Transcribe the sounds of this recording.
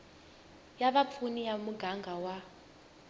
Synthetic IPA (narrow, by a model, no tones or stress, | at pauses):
jaβap̪fʰunijamuɡaŋɡawa